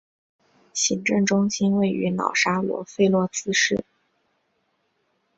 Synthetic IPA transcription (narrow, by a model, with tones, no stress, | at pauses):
ɕi˧˥ŋʈ͡ʂə˥˩ŋʈ͡ʂʊ˥ŋɕi˥nwe˥˩ɪy̰˧˥nɑ̰˨˩ʊʂa˥lwɔ̰˧˥fe˥˧ɪlwɔ˥˩t͡sɹ̩˥ʂɻ̩˥˩